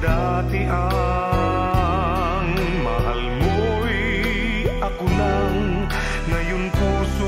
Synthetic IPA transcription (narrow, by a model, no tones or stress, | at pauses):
da | t̪iʔa | ŋ | maɦalmu | i | akuna | ŋ | ŋajunkusu